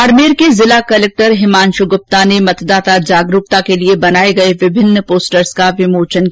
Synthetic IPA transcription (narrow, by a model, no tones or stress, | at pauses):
ɐɾmeːɾkezɪlakɐleːk̚ʈəɾɦɪmaːnʃʊɡʊp̚t̪anemɐt̪d̪aːt̪ad͡ʒaːɡɾʊk̚t̪akeliebɐnaːeɡɐeʋɪbʱɪnːpoːsʈəɾskaʋɪmoːt͡ʃən